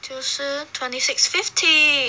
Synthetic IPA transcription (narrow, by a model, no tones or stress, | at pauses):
tʰusətʰwɛ̃ntisɪksfɪftʰi